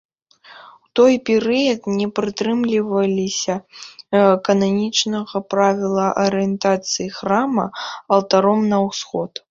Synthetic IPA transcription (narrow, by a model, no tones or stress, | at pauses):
wt̪ɔjpʲɛɾɨjɐt̪nʲɛpɾɨt̪ɾɨmlʲivɐlʲisʲɐ | ɛkɐnanʲit͡ʂnɐɣɐpɾavʲilˠɐʔɐɾɨjɛnt̪at̪sɨjixɾamɐ̰ɐlˠt̪aɾɔmnɐwsxɔt̪